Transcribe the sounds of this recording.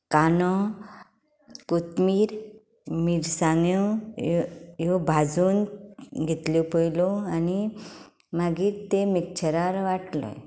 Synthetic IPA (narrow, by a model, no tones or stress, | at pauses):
kanɔ | kut̪miːɾ | miɾsãŋɡjɔ | jobʱad͡zuːnɡʱet̪ljopəjlɔani | maɡiːt̪emik̚t͡ɕʰəɾaɾʋaʈlɔ̰j